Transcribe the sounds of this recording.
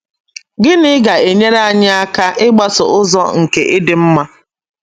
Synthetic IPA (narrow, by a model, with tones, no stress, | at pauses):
ɡɪ˦nɪ˦ɡa˨e˨ɲe˦ɾa˦˨ɲɪ˦a˦ka˦ʔɪ˦ɡ͡ba˦sʊ̰˨ʊ˦zɔ̰˦ŋ̩˨ke˨ʔɪ˦dɪ˨m̩˦ma˦